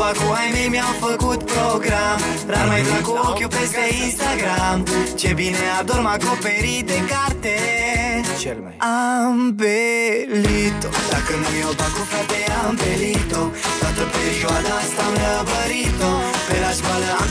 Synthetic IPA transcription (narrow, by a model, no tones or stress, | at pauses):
bakuajnemjafakut̪̚pɾɔɡɾamɾamajfakuokjopest̪einst̪aɡɾamt͡ʃebinead̪oɾmakopeɾid̪ekaɾt̪e | ambelit̪ot̪akənemjopakufat̪eambelit̪ofat̪opeɾiwad̪ast̪amavəɾit̪opeɾaskwala